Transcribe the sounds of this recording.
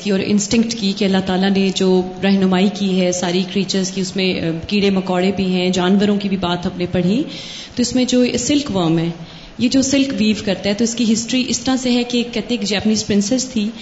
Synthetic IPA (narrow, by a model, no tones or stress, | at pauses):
kiɔːɾɪ̰̃nsʈɪ̃ŋkʈkikeɐlːat̪aːlaned͡ʒoː | ɾɛɦnʊmaːikiɦɛsaːɾikɾiːt͡ʃəɾzkiʊsmẽkiːɽemɐkɔːɽebʱiɦɛ̃ːd͡ʒaːnʋəɾõkibʱibaːt̪ɐpnepɐɽ̤i | t̪oɪsmẽd͡ʒoːsɪlkʋəːmɦɛ̃ː | jed͡ʒoːsɪlkʋiːʋkɐɾt̪aɦɛt̪oɪskiɦɪsʈɾiʔɪst̪ɐɾaseɦɛkekɛɦt̪ẽeːkd͡ʒɛːpəniːzpɾɪ̃nsɛst̪ʰiː